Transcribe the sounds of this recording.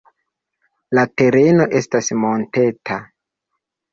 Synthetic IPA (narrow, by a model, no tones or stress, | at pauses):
late̞ɾe̞no̞ʔe̞stasmo̞nte̞tʰa